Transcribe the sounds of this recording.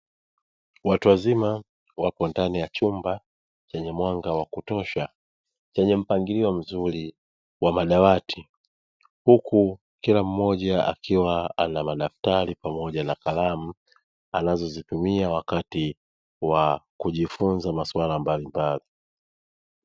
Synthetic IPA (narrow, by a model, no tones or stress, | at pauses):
watuwazima | wapɔndanijat͡ʃumba | t͡ʃɛɲɛmwaŋɡawakutɔʃa | t͡ʃɛɲɛm̩paŋɡiliɔm̩zuɾi | wamaɗawatʰi | hukʰu | kilam̩mɔʄaa̰kʰiwaa̰namaɗaftaɾipamɔʄanakalam̩ | anazɔzitumiawakati | wakuʄifunzamaswalambalimbali